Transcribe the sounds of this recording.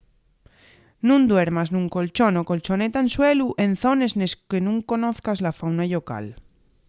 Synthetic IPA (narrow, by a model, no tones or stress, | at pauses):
nũnd̪we̞ɾmaznũŋko̞lt͡ʃo̞no̞ko̞lt͡ʃo̞ne̞t̪aenswe̞luʔe̞nθo̞ne̞zneskenũŋko̞no̞θkazlafawnaʎoka̰l